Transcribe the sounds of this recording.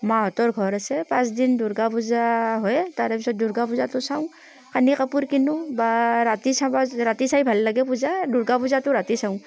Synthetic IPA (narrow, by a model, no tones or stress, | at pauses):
maɦɔtɔɹɡʱɔɾasɛpãsdinduɾɡapuzaɦɔjtaɾepisɔt̚duɾɡapuzatʊsaw̃ | kanikapuɾkinubaɾatisabaɾatisajbʱalːaɡɛpuzaduɾɡapuzatʊɾatisaw̃